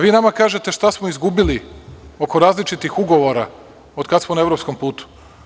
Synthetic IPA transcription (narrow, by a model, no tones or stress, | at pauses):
ʋiːnamakaːʒe̞t̪e̞ʃt̪asmoizɡubilio̞ko̞ɾaːzlit͡ʃit̪ixuɡo̞ʋo̞ɾa | od̪kad̪smonaeʋɾopsko̞mpuːt̪u̥